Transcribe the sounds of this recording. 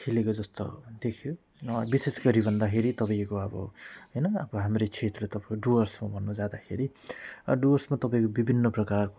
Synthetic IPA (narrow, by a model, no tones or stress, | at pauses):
kʰilekod͡zʌst̪o̰d̪ekʰjo | bisesɡʌɾibʱʌnd̪akʰeɾit̪ʌpaĩkoʌbʌ̰ɦʌjnʌʌbʌɦamret͡sʰet̪let̪ʌpaioɖuʌrsmabʱʌnːud͡zad̪akʰeɾi | ɖuʌrsmat̪ʌpaĩkobibʱinːʌprʌkarko